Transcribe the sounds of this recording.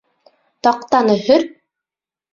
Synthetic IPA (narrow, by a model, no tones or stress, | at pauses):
t̪ɑq̚t̪ɑnɤ̆hɵɾ